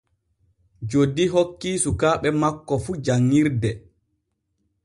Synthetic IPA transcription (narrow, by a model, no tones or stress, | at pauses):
d͡ʒodːiɦokːiːsukaːɓɛmakːɔfud͡ʒaŋːiɾdɛ